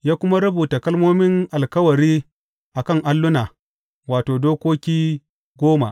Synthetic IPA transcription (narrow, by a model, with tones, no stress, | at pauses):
jaː˦kʷʊ˦ma˦ɾɐ˦buː˨ta˨kɐ˦lmoː˦mɪ˦ŋʔa˨lkɐ˦wɐ˨ɾiː˦ | ʔa˨kɐ˦˨ŋʔa˦lːʊ˦naː˨ | waː˨toː˨doː˦kʷoː˦kʲiː˦ | ɡʷoː˦ma̰˨